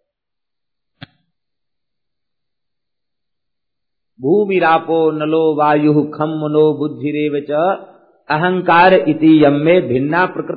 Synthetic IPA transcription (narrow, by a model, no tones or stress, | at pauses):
bʱuːmiɾaːpoːnɐloːʋaːjuɦukʰɐmːɐnoːbud̪ʱːiɾeːʋɐt͡ʃɐ | ɐɦɐŋkaːɾʔit̪ijɐmːeːbʱɪnːaːpɾɐkɾ